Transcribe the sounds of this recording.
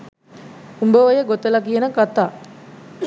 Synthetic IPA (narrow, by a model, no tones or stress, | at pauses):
umbəʋɐjəɡot̪əlakijenəkat̪aː